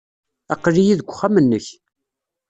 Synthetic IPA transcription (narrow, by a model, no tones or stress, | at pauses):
æ̰qːlijiðəɡʷːχæmənːəç